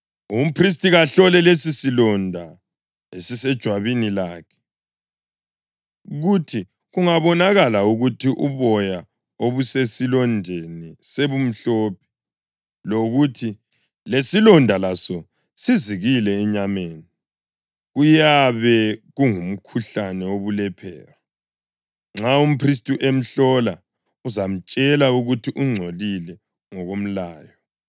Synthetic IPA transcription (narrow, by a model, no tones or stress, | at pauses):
um̩pʰris̬tʼiɣaɬɔlɛlesisilɔndʱa | esisɛd̥ʒ̥ʱwaβinilaːkʰɛ̥ | ɣutʰi | ɣuŋaβɔnaɣalauɣutʰiʔuβɔja | oβusesilɔndʱeniseβum̩ɬɔːp̚ʰɛ̥ | loɣutʰi | lesilɔndʱalasɔ | siziɣilɛɛɲameːni | ɣujaβɛɣuŋum̩kʰuɬanɛoβulɛpʰɛ̰ːɾa | ŋ͡ǁaum̩pʰris̬tʼuʔem̩ɬɔla | uzam̩t͡ʃʼɛlauɣutʰiʔuŋ͡ǀʱolilɛ | ŋɔɣom̩laːjɔ